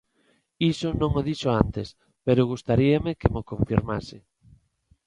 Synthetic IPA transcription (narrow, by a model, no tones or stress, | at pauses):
isonõŋoðiʃoant̪es | peɾʊɣ̞ust̪aɾiamekemokõɱfiɾma̰sɪ